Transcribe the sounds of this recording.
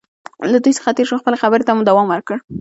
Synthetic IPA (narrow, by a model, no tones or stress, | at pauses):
lad̪ujsə̥xat̪eɾʃəxpəlexabəɾet̪amud̪awɑmwəɾkəɽ